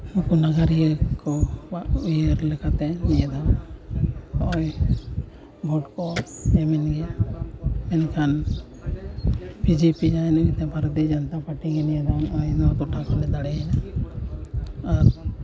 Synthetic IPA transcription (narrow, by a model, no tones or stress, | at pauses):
ũkunaɡaɾijəkɔbaʔujəɾlɛkat̪ɛnijɛd̪an | ɔj | bʱɔʈkɔɛmɛnɡɛ | ɛnkʰan | pid͡ʒipid͡ʒajnaɡɛt̪ɛ̃bʱaɾət̪id͡ʒɔnt̪apaʈiŋɛnijed̪anɔjnɔt̪uʈakɔnɛd̪aɽɛna | aɾ